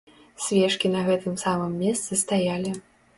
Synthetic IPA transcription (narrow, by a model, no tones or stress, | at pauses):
sʲvʲɛʂkʲinɐɣɛt̪ɨmsamɨmːʲɛst̪sɨst̪ajalʲi